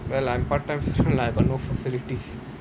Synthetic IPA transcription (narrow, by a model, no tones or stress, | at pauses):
ʋɛlãɪ̃mpaɾ̚ʈːãɪ̃msʈonlaɪkɔnoːfəsɪlɪʈis